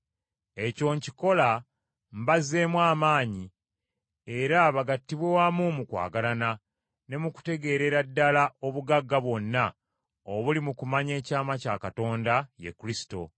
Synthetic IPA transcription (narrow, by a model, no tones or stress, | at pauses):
e̞co̞ːɲciko̞la | mbaze̞mwaːmaːɲi | e̞ɾaβaɡatːiβwewamumukwa̰ːɡalana | ne̞muku̥te̞ɡe̞ɾe̞ɾadːalaʔo̞βuɡaɡːaβwo̞nːa | oβulimukumaɲe̞ːcaːmacakato̞ːndaje̞̰kuɾisi̥to̞̰